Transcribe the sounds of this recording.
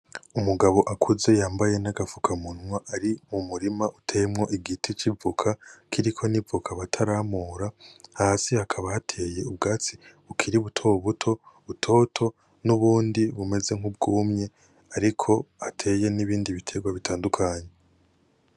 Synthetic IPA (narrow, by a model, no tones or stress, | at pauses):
umuɡaβo̞ʔakʰuze̞jaːmbaje̞naɡafukʰamunŋwaʔaɾimumuɾimaʔutʰe̞mŋo̞ʔiɡitʰit͡ʃivukʰakʰiɾikʰo̞nivukʰaβatʰaɾamuːɾahasihakʰaβahatʰe̞ːje̞ub̚ɡaːt͡siukʰiɾiβutʰo̞βutʰo̞βutʰo̞tʰo̞ | nuβuːndiβume̞ze̞ŋ̥hubɡuːmɲe̞ | aɾikʰo̞atʰe̞je̞niβiːndiβitʰe̞ɡwaβitʰaːndukʰaːɲe̞